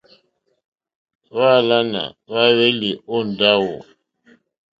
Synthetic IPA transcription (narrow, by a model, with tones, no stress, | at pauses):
βaː˦˨la˦na̰˨βa˦βe˦li˨o˦n˨da˦wo̰˨